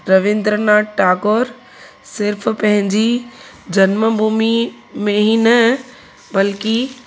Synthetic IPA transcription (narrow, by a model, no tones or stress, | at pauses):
ɾɐʋɪ̃nd̪ɾənaːʈaːkoːɾ | sɪɾfʰpɐ̃ɦɪ̃ɲd͡ʑi | d͡ʑɐnməbʱuːmi | mẽɦinɐ | bɐlki